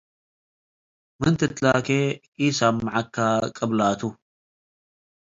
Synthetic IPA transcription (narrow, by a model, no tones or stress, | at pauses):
mɨnt̪ʰɨt̪laːke | isamːʕakːakʼɐblaːt̪ʰu